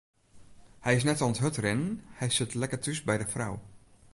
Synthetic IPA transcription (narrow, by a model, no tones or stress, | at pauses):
hɛjɪsnɛtɔnətɦɵtrɪnənhɛjsɪtlɛkətysbɛjdəfraw